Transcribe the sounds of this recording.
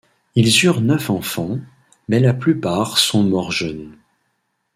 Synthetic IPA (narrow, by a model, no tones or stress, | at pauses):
ilzyʁnœfɑ̃fɑ̃ | mɛlaplypaːʁsɔ̃mɔʁʒœn